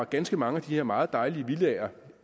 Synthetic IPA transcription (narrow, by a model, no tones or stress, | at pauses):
ɑɡ̥ænsɡ̥əmɑ̈ŋəæd̥iheɐmɑ̈ːð̞̩ˠd̥ɑ̈ɪliəʋilɛːɐ